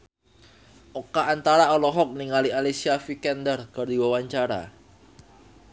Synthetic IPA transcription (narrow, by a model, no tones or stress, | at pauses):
ʔokaʔːnt̪aɾaɔlɔɦɔk̚niŋalialisiafikɛnd̪ərɡard̪iwawaɲt͡ʃaɾa̰